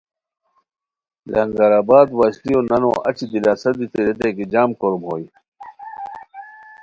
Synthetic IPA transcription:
lɐ̰ŋɡaɾaːbaːd̪waːɕlijoːnɐno̰ːʔɐ̰t͡ɕid̪ilaːsɐd̪it̪eɾet̪̬ekid͡ʑaːmkoɾmɦoːi

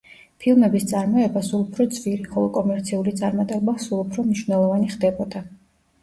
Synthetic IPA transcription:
pʰilˠmɛbist̪sʼaɾmɔɛbasulˠupʰɾɔd̪zviɾiχɔlˠɔkʼɔmɛɾt̪sʰiulit̪sʼaɾmat̪ʼɛbasulˠupʰɾɔmniʃwnɛlˠɔvaniχd̪ɛbɔd̪a

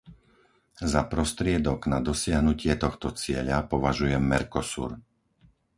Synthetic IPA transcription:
zapɾɔst̪ɾɪɛd̪ɔɡnad̪ɔsɪaɦnucɪɛt̪ɔxt̪ɔt͡sɪɛʎapɔʋaʒujɛmːɛɾkɔsṵːɾ

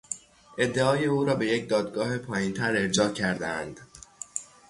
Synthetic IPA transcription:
ʔe̞d̪ːeɒːjeuːɾɒːbe̞jecd̪ɒːd̪̚ɡɒːhe̞pʰɒːjint̪ʰæɾe̞ɾd͡ʒɒːcʰæɾd̪eæ̰nd̪̥

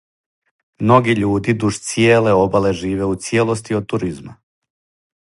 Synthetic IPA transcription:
mno̞ɡiʎuːd̪id̪uʃt̪sijeːle̞o̞baleʒiːʋe̞ut̪sje̞lˠost̪iod̪̚t̪uɾizma

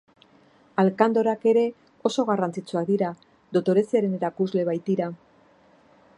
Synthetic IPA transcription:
alkand̪o̞ɾake̞ɾe̞ | o̞so̞ɣ̞arant͡sit͡suak̚d̪iɾa | d̪o̞t̪o̞ɾe̞siaɾe̞neɾakuzle̞βajt̪iɾa

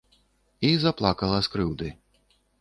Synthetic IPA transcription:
izaplˠakɐlˠɐskɾɨwd̪ɨ

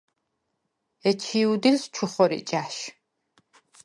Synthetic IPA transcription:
ɛt͡ʃʰiːud̪ilst͡ʃʰuχʷɔɾḭt͡ʃʼaːʃ

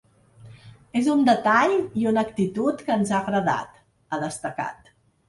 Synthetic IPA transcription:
ezund̪ət̪aʎiunəkt̪it̪ut̪kəːnzaɣɾəða̰t̪ | əðəst̪əka̰t̪̚

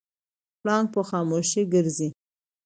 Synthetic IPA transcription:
plɑŋɡ̚pəxɑmoʃiɡəɾzi

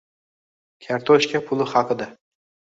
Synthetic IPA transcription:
kʲʰaɾt̪ʰɔʃkʲʰapʰʊlˠɪhɑqʰɨd̪a

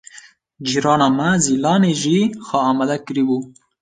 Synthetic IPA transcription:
d͡ʒiɾɑnamazilɑneʒixɑːmad̪akɾibu

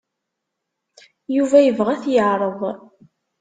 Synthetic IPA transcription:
juvæjəvʁæθjəʕɾˤəðˤ

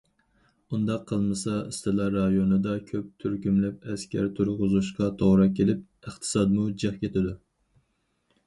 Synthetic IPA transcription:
und̪ɑqʰːəlˠmɨsɑɨst̪ɨlˠɑɾɑjonɨd̪ɑkʲʰøp̚t̪ʰyɾkʲymlɪp̚ɛskʲʰæ̰ɾt̪ʰuɾʁʊzuʃqɑt̪ʰoʁɾɑkʲʰelɪp̚ | əχt̪ʰɨ̥sɑd̪mud͡ʒɛχkʲʰet̪ʰɪd̪u

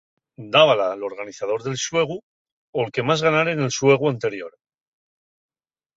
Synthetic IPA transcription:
d̪aβalalo̞ɾɣ̞aniθað̞o̞ɾðe̞lswe̞ɣ̞u | olke̞mazɣanaɾeŋe̞lswe̞ɣ̞uant̪e̞ɾjo̞ɾ

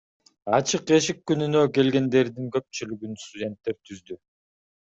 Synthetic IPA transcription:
ɑt͡ʃʰɯqe̞ʃ̬ikːynynø̞ke̞lɡe̞nd̪e̞ɾd̪iŋkø̞p̚t͡ʃylyɡynst̪udʲe̞nt̪ːe̞ɾt̪ʰyzd̪y

